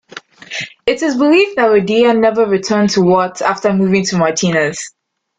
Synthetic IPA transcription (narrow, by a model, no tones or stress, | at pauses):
ɪtɪzbɪlifðətədianɛvəɹitʰɜ̃ːntʰuwɔtʰaftəmuːvɪ̃ŋtʰumatʰĩnəz̥